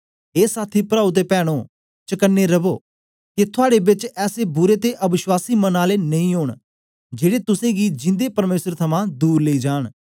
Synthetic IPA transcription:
eːsaːt̪ʰiːpɾaːut̪̬eːpɛːɽ̃oː | t͡ʃəkənːeɾɐboː | kit̪ʰʊaːɽebɪt͡ʃɛːsebʊɾeːt̪eʔɐbɪʃwaːsiːmɐnaːlenɐĩːɦoːɳ | d͡ʒeːɽet̪ʊsẽɡid͡ʒɪ̃nd̪epɐɾmeːsəɾt̪ʰɐmãd̪uːɾleiːd͡ʒaːɽ̃

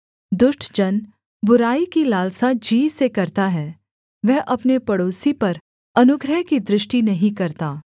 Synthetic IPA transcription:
d̪ʊʃʈʰd͡ʒɐn | bʊɾaːikilaːlsad͡ʒiːsekɐɾt̪aɦɛː | ʋɛɦʔɐpnepɐɽoːsipɐɾ | ɐnʊɡɾəɦkid̪ɾɪʃʈinɐɦĩkɐɾt̪aː

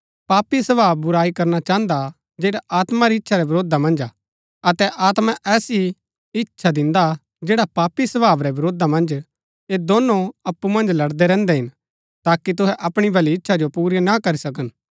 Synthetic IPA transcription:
paːpisɐbaːbbʊɾaːikɐɾnat͡ʃaːɦnd̪a | d͡ʒeːɽaʔaːt̪maɾiɪtːʃʰaɾɛbɐɾoːd̪ʱamɐ̃nd͡ʒa | ɐt̪ɛʔaːt̪mãʔɛːsi | ɪtːʃʰad̪ɪ̃nd̪a | d͡ʒeːɽapaːpisɐbaːʋɾɛbɐɾoːd̪amɐ̃nd͡ʒ | ed̪oːnõɐpːumɐ̃nd͡ʒlɐɽd̪ɛɾɛ̃ːnd̪ɛɦɪn | t̪aːkit̪̬ʊɦɛʔɐpɽ̃ibʱɐliɪtːʃʰad͡ʒopuːɾinɐkɐɾisɐk̬ən

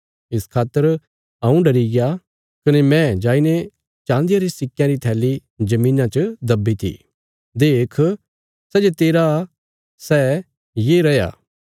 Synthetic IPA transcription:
ɪskʰaːt̪ːəɾ | ɐũɖɐɾiɡɪja | kɐnemɛ̃d͡ʒaːine | t͡ʃãːnd̪ɪjaɾisɪkjãɾit̪ʰɛːli | d͡ʒɐmĩːnãt͡ʃəd̪ɐbːit̪ʰḭ | d̪eːkʰ | sɛːd͡ʒet̪eːɾa | sɛ | jeɾɐja̰ː

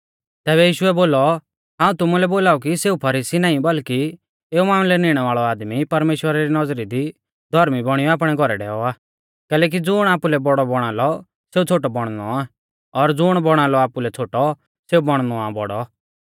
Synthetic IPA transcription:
t̪ɛːβɛjiːʃʊɛboːlɔ | ɦãːũt̪ʊmulɛboːlaːuk̬iseːupʰɐɾiːsinaːĩbɐlki | eːumaːmlɛnɪɽ̃ɛʋaːɭɔaːd̪mipɐɾmeːʃwəɾaɾinɐd͡zɾid̪i | d̪ʱɔɾmibɔɽ̃ijɔaːp̬ɽ̃ɛɡʱɔɾɛɖɛ̰ːɔaː | kɛːlɛːk̬id͡zʊɽ̃aːpulɛbɔɽɔbɔɽ̃aːlɔ | seːut͡sʰoːʈ̬ɔbɔɽ̃nɔ̰aː | ɔɾd͡zʊɽ̃bɔɽ̃aːlɔaːpulɛt͡sʰoːʈɔ | seːubɔɽ̃nɔabɔ̰ɽɔ

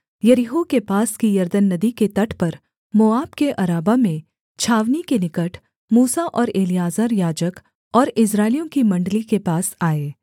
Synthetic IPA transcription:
jɐɾiɦukepaːskijɐɾd̪ənːɐd̪iket̪ɐʈʰpɐɾ | moaːbkeʔɐɾaːbamẽ | t͡ʃʰaːʋnikenɪkəʈʰ | muːsaʔɔːɾeːlijaːzəɾjaːd͡ʒək | ɔːɾɪs̬ɾaːɪljõkimɐ̃ɳɖlikepaːsaːeː

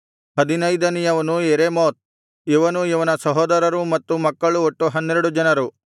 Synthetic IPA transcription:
ɦɐd̪inɐjd̪ɐnijɐʋɐnueɾemoːt̪̚ | iʋɐnuiʋɐnɐsɐɦɔːd̪ɐɾɐɾumɐt̪ːumɐkːɐɭuoʈːuɦɐnːeɾuɽud͡ʒɐnɐɾu

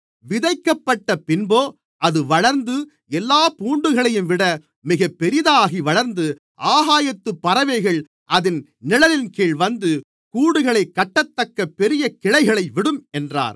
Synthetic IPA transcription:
ʋɪðɐɪkːɐpːɐʈːɐpɪnboː | ʔɐðɯʋɐɭɐɾnd̪ɯ | ɛlːaːpuːɳɖɯɣɐɭɐjɯmʋɪɽɐ | mɪɣɐpːɛɾɪðaːɣiʋɐɭɐɾnd̪ɯ | ʔaːɣaːjɐt̪ːɯpːɐɾɐʋɐɪɣɐɭ | ʔɐðɪn | nɪlɐlɪnkeːɭʋɐnd̪ɯ | kuːɽɯɣɐɭɐɪkːɐʈːɐt̪ːɐkːɐpːɛɾɪjɐkːɪɻɐɪɣɐɭɐɪʋɪɽɯmɛndra̰ːɾ

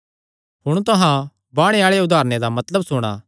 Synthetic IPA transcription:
ɦʊɽ̃t̪ʊɦã | baːɽ̃eaːɭeʊd̪ʱaːɾned̪amɐt̪ləbsʊɽ̃a̰ː

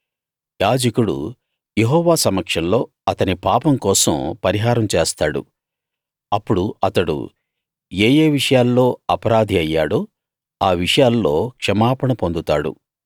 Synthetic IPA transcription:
jaːd͡ʒɐkuɽṵ | jeɦɔːʋaːsɐmɐkʂɐnlo̞ː | ɐt̪ɐnipaːpɐmkɔːsɐ̰mpɐɾiɦaːɾɐmt͡ʃeːst̪aːɽṵ | ɐpːuɽuɐt̪ɐɽṵ | eːjeːʋiʂɐjaːlːo̞ːɐpɐɾaːd̪ʱiɐjːa̰ːɽuː | aːʋiʂɐjaːlːo̞ːkʂɐmaːpɐɳɐpond̪ut̪aːɽṵ

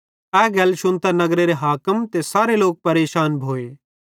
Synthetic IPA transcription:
ɛːɡɐlʃʊnt̪anɐɡɾeɾeɦaːkəmt̪esaːɾeloːk̚pɐɾeːʃaːnbʱoːeː

